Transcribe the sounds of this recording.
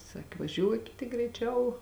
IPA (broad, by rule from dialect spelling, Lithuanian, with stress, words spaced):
ˈsɑːkʲɪ ʋɐˈʒʲuɔkʲɪt tʲɪk ɡrʲɛɪˈt͡ʃʲɛʊ